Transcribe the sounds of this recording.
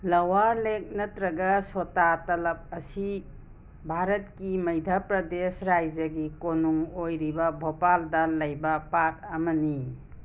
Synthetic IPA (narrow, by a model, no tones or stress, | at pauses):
lɐwaɾlek̚nɐtɾɐɡɐsotatɐlɐp̚ɐsi | bʱaɾɐt̚kimɐjdʱɐpɾɐdesɾajd͡ʒɐɡikonuŋojɾibɐbʱopaldɐlɐjbɐpat̚ɐmɐni